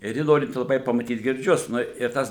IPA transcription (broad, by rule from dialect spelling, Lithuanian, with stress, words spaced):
ɪr ˈjɪ ˈnoːrʲɪnʲtʲɪ lˠɐˈbɐɪ pɐmɐˈtʲiːt ɡʲɪrʲˈd͡ʒʲʊs ˈnʊ ɪr ˈtɐs